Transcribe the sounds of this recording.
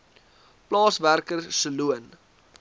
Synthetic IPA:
plɑːsværkərsəluən

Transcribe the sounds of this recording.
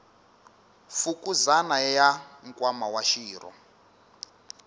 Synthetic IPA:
fukuzanajaŋkʼwamawaʃiːɾɔ̰

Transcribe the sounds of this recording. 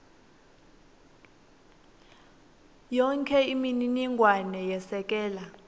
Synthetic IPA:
jɔŋkʰɛimininiŋʱwanɛjɛsɛk̬ʼɛːla

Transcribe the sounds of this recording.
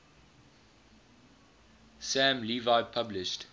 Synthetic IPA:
sæ̃mlivaɪpʰʌblɪʃt

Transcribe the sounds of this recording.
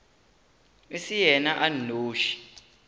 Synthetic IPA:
isijɛnaʔanoːʃi̥

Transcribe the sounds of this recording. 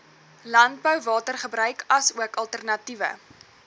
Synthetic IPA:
lɐnt̚bəwvɑːtərχəbɾœɥkɐsuəkɐlˠtərnɐtivə̰

